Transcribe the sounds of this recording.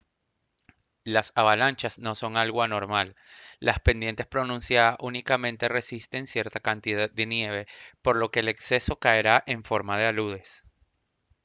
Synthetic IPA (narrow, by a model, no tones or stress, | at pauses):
lasaβalant͡ʃazno̞so̞ŋalɣoano̞ɾmalːaspe̞nd̪jent̪e̞spɾo̞nũnsjaaʔunikamẽnt̪e̞re̞sist̪e̞nsje̞ɾt̪akant̪iðað̚d̪e̞nje̞β̞e̞po̞ɾlo̞ke̞le̞kse̞so̞kae̞ɾaʔe̞ɱfo̞ɾmað̞e̞aluð̞e̞s